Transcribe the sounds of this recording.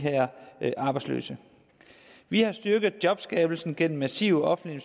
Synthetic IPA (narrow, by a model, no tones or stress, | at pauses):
ɦæɐ̰ʔɑ̈ːb̥ɑ̈ɪdslø̰ːsə | ʋihɑ̈sd̥yɐɡ̥ð̩ˠd̥jɒ̽b̥sɡ̥ɛ̰ːb̥l̩sn̩ɡ̥en̰m̩ːæsiːʊɒ̽fn̩l̥iens